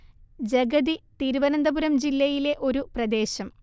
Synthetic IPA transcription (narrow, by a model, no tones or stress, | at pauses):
d͡ʑeɡɐd̪it̪iːɾuʋɐnɐnd̪ɐbuɾɐmd͡ʑilːɐjile̞ʔo̞ɾuprɐd̪e̞ːɕɐm